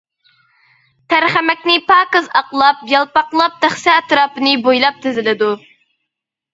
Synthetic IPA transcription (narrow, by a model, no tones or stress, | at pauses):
t̪ʰæɾχæmɛkʲnɪpʰɑːkɨzɑqlˠɑp̚jɑlˠpɑqlˠɑp̚t̪ʰæχsɛt̪ɾɑːpɨnɨbojlˠɑp̚t̪ʰɪzɪlɪd̪u